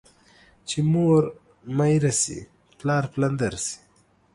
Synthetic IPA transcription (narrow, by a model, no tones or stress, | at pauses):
t͡ʃimoːɾ | majɾasḭ | plɑːɾpland̪aɾsi̥